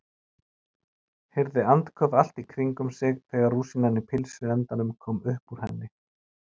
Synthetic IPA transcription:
hɛɾðɪant̪kʰœval̥t̪ikʰviŋkʏmsɪɣθɛːɣaɾruːsinanːɪpʰɪlsʏɛnt̪anʏmkʰɔːmʏhpuɾ̥hɛnːɪ

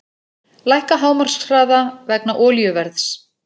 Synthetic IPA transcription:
lajhkaɦaːwmar̥sɾaːðavɛknaʔɔːljʏvɛɾθs

